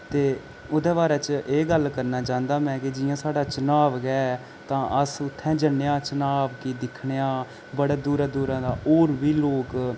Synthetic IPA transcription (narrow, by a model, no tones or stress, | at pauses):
t̪eː | ʊd̪eːbaːɾɛːt͡ʃʔeːɡəlkəɾnaːt͡ʃãːnd̪aːmɛ̃ːkid͡ʒɪjãːsaːɖaːt͡ʃənaːʋɡɛː | t̪ãːʔəsʊt̪ʰːɛ̃ːd͡ʒənːejãːt͡ʃənaːʋkiːd̪ɪkʰɳejãː | bəɽeːd̪uːɾaːd̪uːɾãːd̪aːʔoːɾʋiːloːk